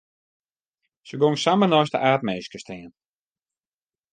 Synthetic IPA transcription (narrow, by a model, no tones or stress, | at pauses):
səɡoŋsamənɔjstə̰ʔaːtmeːskəstɛːən